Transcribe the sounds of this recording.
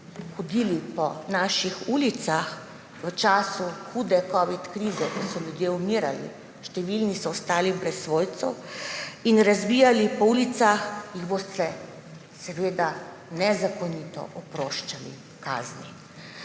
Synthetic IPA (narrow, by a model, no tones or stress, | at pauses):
xɔd̪iːlipɔnaːʃixulit̪sax | ʋət͡ʃaːsuxuːd̪ɛkɔːʋit̪kɾiːzɛkɔsɔljud̪jeumiɾa̰lḭ | ʃt̪ɛʋilnisɔɔst̪aːlixbɾɛsʋoːjt̪sɔw | inɾazbiːjalipɔuːlit̪saxjiɣbost̪ɛ | sɛʋeːd̪a | nɛzakɔniːt̪ɔ̰ʔɔpɾoːʃt͡ʃalḭ | ka̰ːzni